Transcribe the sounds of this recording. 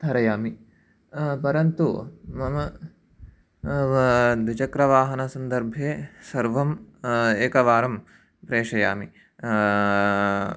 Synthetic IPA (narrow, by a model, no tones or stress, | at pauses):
d̪ʱɐɾɐjaːmi | pɐɾɐnt̪umɐmɐ | d̪ʋit͡ʃɐkɾɐʋaːɦɐnɐsɐnd̪ɐɾbʱeːsɐɾʋɐmeːkɐʋaːɾɐm | pɾeːʂɐjaːmi